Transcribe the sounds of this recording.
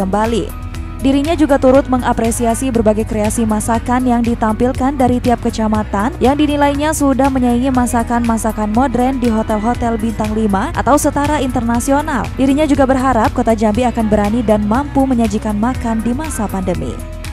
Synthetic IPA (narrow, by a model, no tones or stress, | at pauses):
əmbalḭ | diɾiɲad͡ʒuɡat̪uɾʊt̪̚məŋapɾesiasibərbaɡajkɾeasimasakanjaŋdit̪ampilkandaɾit̪iap̚kət͡ʃamat̪anjaŋdinilaiɲasudahməɲaiŋimasakanmasakanmodɾɛndiɦot̪ɛlɦot̪ɛlbint̪aŋlimaʔa̰t̪awsət̪aɾaint̪ərnasiona̰ldiɾiɲad͡ʒuɡabərɦaɾap̚kot̪ad͡ʒambiakanbəɾanidanmampuməɲad͡ʒikanmakandimasapandəmḭ